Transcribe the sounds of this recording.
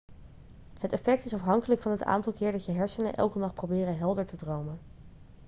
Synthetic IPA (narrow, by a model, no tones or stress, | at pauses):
hətɛfɛk̚tɪsɑfɦɑŋkələkfɑnɦəta̰ːntɑlˠkɪːɹdɑtjəɦɛɹsənə̰ʔɛ̰lˠkənɑχprowbɪːrəɦɛlˠdəɹtədrowmən